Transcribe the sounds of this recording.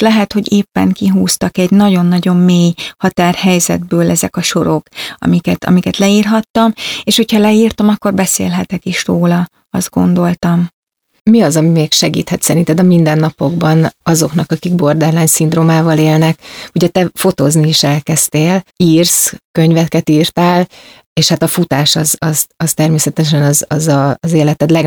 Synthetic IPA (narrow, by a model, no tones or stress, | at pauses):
lɛɦɛt̪ho̞ɟeːpːɛ̰ŋkiɦuːst̪ɒkɛɟnɒɟo̞nːɒɟo̞mːeːjhɒt̪aːrhɛjzɛ̰d̪̚bøːlɛzɛkɒʃo̞ɾo̞kɒ̰mikɛt̪ɒ̰mikɛt̪lɛiːrɦɒt̪ːɒmeːʃho̞cʰhɒlɛiːrt̪ɒmɒkːo̞rbɛsḛːlɦɛt̪ɛkiʃroːlɒ | ɒ̰zd̪̚ɡo̞̰nd̪o̞lt̪ɒm | miɒzɒmimeːkʃɛɡḭːt̪hɛt̪sɛɾint̪ɛd̪ɒmind̪ɛnːɒpo̞ɡbɒnɒzo̞knɒkɒkiɡ̚bo̞rd̪ɛrlaːɲsind̪ɾroːmaːvɒleːlnɛkuɟɛt̪ɛfo̞t̪ozniiʃɛlkɛst̪eːliːrskø̞ɲvɛkɛt̪iːrt̪aːl | eːʃhat̪ɒfut̪aːʃɒzɒzɒst̪ɛrmeːsɛt̪ɛʃ̬ɛnɒzɒzɒːzeːlɛt̪ɛt̪lɛɡ